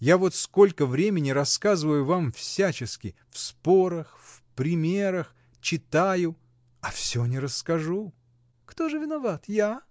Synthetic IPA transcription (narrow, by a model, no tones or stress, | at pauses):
javo̞t̪sko̞lʲkəvɾʲemʲɪnʲɪɾɐskazɨvəjʊvamfsʲat͡ɕɪskʲɪfspo̞ɾəxfpɾʲɪmʲe̞ɾəx | t͡ɕɪt̪ajʊ | ɐfsʲonʲɪɾəskɐʐu | kt̪o̞ʐɨvʲɪnɐvat̪ja